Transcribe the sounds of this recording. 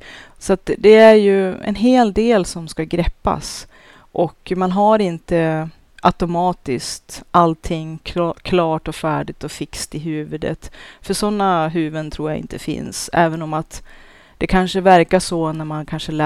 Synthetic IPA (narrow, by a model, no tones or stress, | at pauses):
sɔat̪d̪ɛæɾjɵɛ̰nɦeːld̪eːlsɔmskaɡɾɛpːa̰s | ʔɔkmanɦaɾɪnt̪ə | ʔat̪ʊmɑːt̪ɪskt̪alt̪ʰɪŋːkʰkʰlɑːʈɔfæːɖɪt̪ɔfɪkst̪ɪɦʉ̟ːvɵd̪ə̰t̪fœʂɔnːaɦʉ̟ːvənt̪ʰɾuːjaɪ̰nt̪ʰəfɪ̰nsɛ̰ːvənɔmat̪ | d̪̥ɛkʰanʂəvæɾkaʂɔnæɾmankʰanʂəlɛ